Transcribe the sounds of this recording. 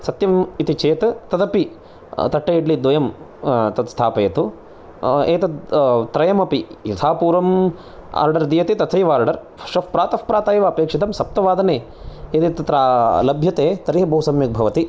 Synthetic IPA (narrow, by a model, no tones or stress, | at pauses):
sɐt̪jɐmit̪it͡ʃʰeːt̪ɐt̪ɐt̪ɐpi | t̪ɐʈːɐjiɖlid̪ʋɐjɐm | t̪ɐt̪st̪ʰaːpɐjɐt̪u | eːt̪ɐt̪ɾɐjɐmɐpijɐt̪ʰaːpuːɾɐm | a̰ːɾɖɐɾd̪iːjɐt̪eːt̪ɐt̪ʰɐjʋaːɾɖɐɾ | ʃɐfpɾaːt̪ɐfpɾaːt̪aːjʋɐɐpeːkʂit̪ɐmsɐp̚t̪ɐʋaːd̪ɐneː | eːt̪eːt̪ɐt̪ɾalɐbʱjɐt̪eːt̪ɐɾiɦɐbɐɦusɐmjɐk̚bʱɐʋɐt̪i